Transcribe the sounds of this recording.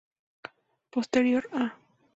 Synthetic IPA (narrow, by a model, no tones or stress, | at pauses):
post̪eɾjo̞ɾa